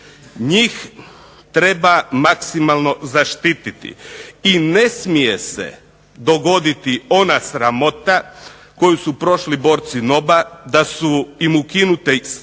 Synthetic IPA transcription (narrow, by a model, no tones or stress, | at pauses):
ɲiːx | t̪ɾe̞bamaksimalˠno̞zaʃt̪iːt̪it̪ḭine̞smije̞sḛ | d̪o̞ɡo̞d̪it̪io̞nasɾamo̞t̪a | ko̞jusupɾo̞ʃlibo̞ːɾt̪sino̞bad̪asuimukinut̪e